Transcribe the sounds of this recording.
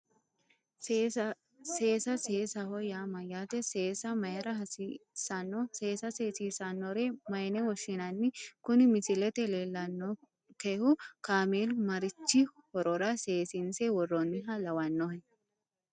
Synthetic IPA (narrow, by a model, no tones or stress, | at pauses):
seːsɐseːsɐhɔjaːmɐjaːt̪ɛseːsɐmɐjɛɾɐɦɐsisɐnːɔseːsɐseːsiːsɐnːɔɾemɐjnɛwɔʃːɪnɐnːɪkʊnɪmɪsɪlɛt̪ɛleːlːɐnːɔ | kehʊkaːmeːlmɐɾɪt͡ʃːɪhɔɾɔɾɐseːsɪnsɛwɔrɔnɪɦɐlɐwɐnːɔhɛ